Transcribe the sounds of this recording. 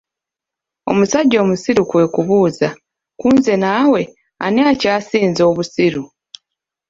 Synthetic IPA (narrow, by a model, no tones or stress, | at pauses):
o̞̰musaɟːo̞ːmusiɾukwe̞ːkuβuːza | kuːnze̞naːwe̞ | a̰niacaːsiːnzo̞ːβusiɾu